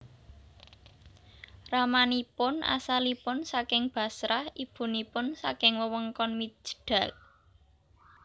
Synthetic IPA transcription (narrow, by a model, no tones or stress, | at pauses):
ramanipʊna̰salipʊnsakɪŋb̥a̤sɾahib̥ṳnipʊnsakɪŋwəwəŋkɔnmi̥ʒ̥ə̥ɖ̥a̤l